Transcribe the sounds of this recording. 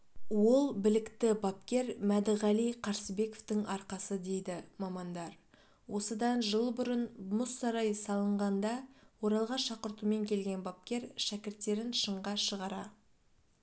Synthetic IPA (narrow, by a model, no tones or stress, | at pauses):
wo̞lˠbɪlɪkt̪ɪbɑpkʲe̞ɾmæd̪ɪʁɑlijqʰɑɾsəbe̞ko̞ft̪ɪŋɑɾqɑsəd̪e̞jd̪ɪmɑmɑnd̪ɑɾ | wʔo̞səd̪ɑnʒəlˠbʊɾənmʊsːɑɾɑjsɑlˠəɴʁɑnd̪ɑwo̞ɾɑlˠʁɑʃɑqəɾt̪ume̞ŋkʲʰe̞lɡʲe̞nbɑp̚kʲe̞ɾʃækʲɪɾt̪ːe̞ɾɪnʃəɴʁɑʃəʁɑɾɑ